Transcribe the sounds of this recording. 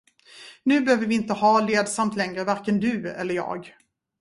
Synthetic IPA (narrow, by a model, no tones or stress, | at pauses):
nʉ̟ːbɛhøːvəɾvɪɪnt̪əhɑːleːd̪samt̪lɛŋɾəvaɾkənd̪ɵ̟ɛ̰lːəɾjɑ̰ːɡ